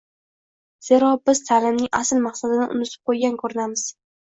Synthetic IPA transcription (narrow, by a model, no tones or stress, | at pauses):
z̥e̞ɾɒbɪzt̪ʰalɪmnɪŋʔasɪlmaqsad̪ɪnɪʔʊ̰nɪt̪ʰɪ̥p̚qʰojɡʲankʰɵɾɪnamɪz̥